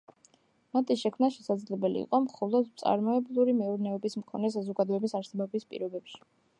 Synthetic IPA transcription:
mat̪ʰiʃɛkʰmnaʃɛsad̪zlɛbɛlḭːqʼɔmχɔlˠɔd̪t̪sʼa̰ɾmɔɛblˠuɾimɛuɾnɛɔbismkʰɔnɛs̬azɔɡad̪ɔɛbisaɾsɛbɔbispʼḭɾɔbɛpʃi̥

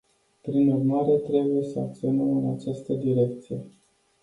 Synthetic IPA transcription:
pɾinurmaɾe̞t̪ɾe̞buje̞səak̚t̪sio̞nəmɨnat͡ʃast̪əd̪iɾe̞k̚t̪sije

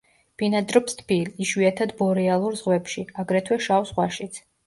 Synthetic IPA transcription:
b̥inad̪ɾɔpst̪ʰbʰiliʃwiat̪ʰad̪bɔɾialˠuɾzʁwɛpʃiaɡɾɛt̪ʰwɛʃawsʁwaʃit̪sʰ

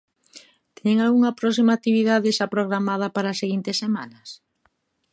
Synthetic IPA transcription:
t̪eŋalɣuŋɐpɾɔs̬imak̚t̪iβiðaðeʃapɾoɣɾamað̞ɐpaɾaːseɣint̪esːemanɐs

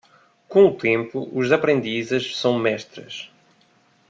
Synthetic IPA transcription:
kõut̪ẽmpuuzɐpɾẽnd̪izɛʃsɐ̃w̃mɛʃt̪ɾɐ̰ʃ

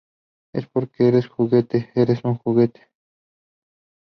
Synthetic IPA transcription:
espoɾkeeɾesxuɣet̪eeɾesuŋxuɣet̪e̥

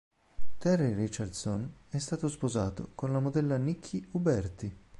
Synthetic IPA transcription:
t̪ɛrːirit͡ʃard̪sonɛst̪aːt̪ospozaːt̪o̰konlamod̪ɛlːanikʰːiubɛrt̪i

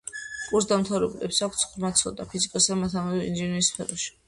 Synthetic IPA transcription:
kʼuɾs̬d̪amt̪ʰavɾɛbulɛpsakʰt̪sʰχɾmat̪sʰɔd̪apʰizikʼasd̪amat̪ʰanɔdɔḭnd͡ʒiniɾispʰɛɾɔʃi̥

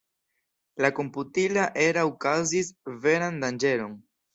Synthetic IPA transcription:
lako̞mputilaʔe̞ɾaukazisve̞ɾandand͡ʒe̞ɾo̞n

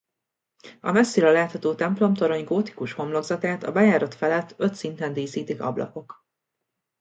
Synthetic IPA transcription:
ɒ̰mɛsːiːɾɒlaːt̪hɒt̪oːt̪ɛmplo̞mt̪o̞ɾo̞ɲɡoːt̪i̥kuʃho̞mlo̞ɡzɒt̪aːt̪ɒbɛjaːɾɒt̪fɛlɛt̪ːø̞t̪sint̪ɛnd̪iːsiːt̪ikɒ̰blɒ̰po̞k

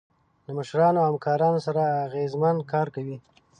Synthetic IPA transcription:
laməʃɾɑnohamkɑɾɑnosaɾaːɣezmankɑɾkawi

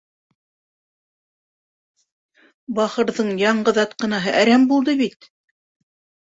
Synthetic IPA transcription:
bɑχɤ̆ɾðɤɴjɑɴɢɤ̆ðɑt̪qɤ̆nɑɦɤʔæɾæmbulˠd̪ɤβit̪

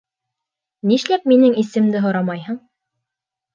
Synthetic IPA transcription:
niʃlæp̚minɘŋisɘ̆md̪ɘɦŏɾɑmɑjɦɤ̆ɴ

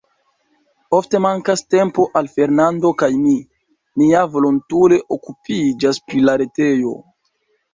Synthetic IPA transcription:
o̞fte̞maŋkaste̞mpo̞ʔalfe̞ɾnando̞kajmi | niavo̞lontuɾe̞ʔo̞kupid͡ʒaspɾilaɾe̞te̞jo̞̰

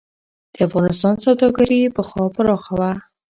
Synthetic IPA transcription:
d̪̥əafɣɑnɪst̪ɑnsawd̪ɑɡaɾipəxɑpəɾɑxawa

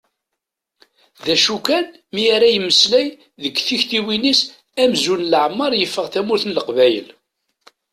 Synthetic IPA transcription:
ðæʃukæn | miæɾæjəmːəslæj | ðəkːθiçt̪iwinis | æmzunlʕəmːɑɾˤjəfːəʁθæmʊɾθənləqvæjə̰l

